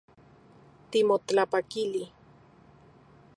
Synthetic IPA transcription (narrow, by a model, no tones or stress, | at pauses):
t̪imotapakili